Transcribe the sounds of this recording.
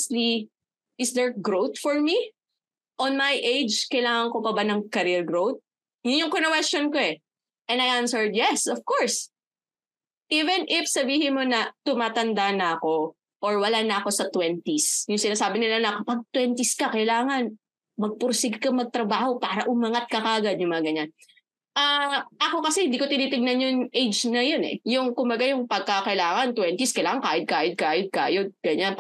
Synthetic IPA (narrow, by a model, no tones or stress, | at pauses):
st̪li | ʔɪsd̪ɛɹɡɹowt̪fɔɹmi | ʔɔnmajʔejd͡ʒkɐjlaːŋɐŋkopɐbanɐŋkɐɾɪlɡɹowt̪̚ | jʊnjʊŋkonɐkwɛst͡ʃonkoɛ | ʔɛnɐjʔansɛɹd̪jɛsɔv̥kɔɹs | ʔivɛnʔɪfsɐbiːhɪnmo̞nɐt̪ʊmaːt̪ɐnd̪anɐɐko̞ | ʔɔɹwɐlaːnɐɐko̞sɐt̪wɛnt̪isjʊŋsɪnaːsaːbɪnɪlanɐkɐpɐɡ̚t̪wɛnt̪ɪskɐkɐjlaːŋɐn | mɐɡ̚pʊɾsɪɡkɐmɐɡ̚t̪ɾɐbaːho̞paːɾɐʔʊmɐŋat̪̚kɐkɐʔɐɡad̪̚jʊŋmɐŋɐɡɐɲan | ʔaʔɐko̞kɐsɛhɪnd̪iːko̞t̪ɪniːt̪ɪŋnɐnjʊnʔejd͡ʒnɐjonɛ̰jʊŋkʊmbɐɡajʊŋpɐɡ̚kakɐʔɪlaːŋɐnt̪wɛnt̪iskɐjlaːŋɐŋkaːjɪd̪̚kaːjd̪̚kaːjod̪̚kaːjod̪̚ɡ̥ɐɲan